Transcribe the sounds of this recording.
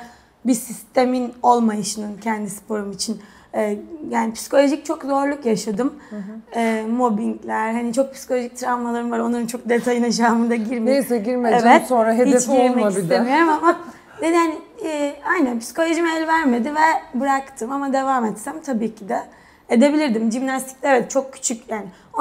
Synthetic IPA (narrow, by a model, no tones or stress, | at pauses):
bisist̪ʰemino̞lˠmajaʃɯnɯncʰɛnd̪ispʰo̞ɾumit͡ʃʰin | ɛːjaːnipʰi̥si̥kʰo̞lʲo̞ʒic̚t͡ʃʰo̞kzo̞ɾlˠukjaʃad̪ɯmɛːmo̞binclʲæɾɦanit͡ʃʰo̞k̚pʰi̥si̥kʰolʲo̞ʒic̚t̪ʰɾavmalˠaɾɯnvaɾo̞nˠaɾɯnt͡ʃʰo̞k̚d̪et̪ʰajɯnaʃ̬aːmɯd̪aɟiɾmeesɛɟiɾmeeɛt̪sonɾaɦediest͡ʃiɾmɛaiid̪emijo̞ɾumama | d̪ed̪hanɪɛajnænpʰi̥si̥ko̞lʲo̞ʒimɛlʲvæɾme̞d̪ivɛbɯɾakt̪ʰɯmamad̪e̞vaːmɛt̪sæmt̪ʰabiːcʰid̪ɛ | ed̪e̞bilʲiɾd̪imʒimnast̪ʰi̥clʲæɾɛt̪t͡ʃʰo̞kːʰy̥t͡ʃʰycʲjaːnɪ | o